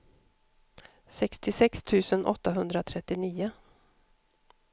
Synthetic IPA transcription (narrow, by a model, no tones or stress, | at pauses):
sɛkst̪ɪsɛkst̪ʰʉ̟ːsənʔɔ̰t̪ːaɦɵnd̪ɾat̪ʰɾɛt̪ːɪniːʊ